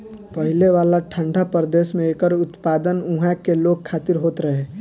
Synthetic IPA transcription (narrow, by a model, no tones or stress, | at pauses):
pəɦɪleʋaːlaʈʰə̃ɳɖʱapəɾd̪eːʃmẽeːkəɾʊt̪paːd̪ənʊ̃ɦɛkeloːɡ̚kʰːaːt̪ɪɾɦoːt̪ɾəɦeː